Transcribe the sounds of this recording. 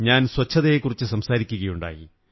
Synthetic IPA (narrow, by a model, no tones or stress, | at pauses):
ɲaːnswɐt͡ɕʰːɐðɐjekːurit͡ɕːɨsɐmsaːɾikʲːuɣɐjuɳɖa̰ːji